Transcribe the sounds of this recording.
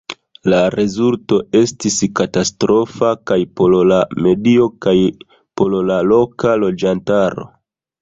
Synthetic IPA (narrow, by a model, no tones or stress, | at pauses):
laɾe̞zulto̞ʔe̞stiskatastɾo̞fakajpollame̞dio̞kaj | po̞llalo̞kalo̞d͡ʒantaɾo̞̰